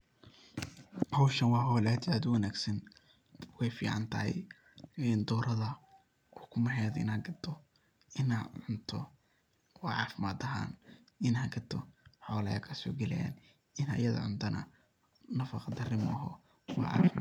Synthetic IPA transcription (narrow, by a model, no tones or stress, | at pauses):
hɔwʃɐnwɑːɦɔːlæːd̪aːd̪ʊwɑnæːɡsɐn | wɛjfḭːʕɑ̰nt̪ʰɐhɛ̰j | ɛnd̪ɔːɾʔɐðɐ | ʔɔːkʰʊmɐɦɛːðɪ̰nɐɡɐd̪ʰɔ | ɪnaːʕʊnt̪ʰɔ | wɑʕɑːfɪmaːd̪ɐɦa̰ːn | ɪnhɐɡɐt̪ʰɔħɔːlɐjɐ̰kʰɐsɔ̰ːɡɛlɛja̰ːn | ɪnɐ̰jɐðɐ̰ʕʊnt̪ʰɐnʔɐ̰ | nɐfɑqɑd̪ɐrɪmɦɔː | wɑ̰ːʕɑ̰ːfɪm